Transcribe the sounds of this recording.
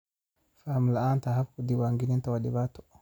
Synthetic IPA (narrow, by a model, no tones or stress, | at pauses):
famlaʔant̪ahafkud̪iwaŋɡinint̪awadɪbat̪ɔ̥